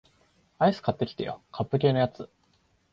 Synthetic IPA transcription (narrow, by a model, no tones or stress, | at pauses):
aisɨ̥kat̪ːe̞kʲi̥t̪ḛjo̰kʰapːɯ̟kʲe̞ːnojat͡sɨ